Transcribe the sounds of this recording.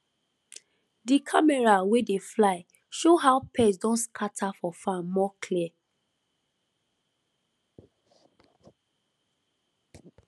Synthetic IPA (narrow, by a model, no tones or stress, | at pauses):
dikʰamɛɹawedeflaɪ | ʃoɦaʊpʰɛsdɔ̃nskʰatʰafɔfãmɔkʰliɛ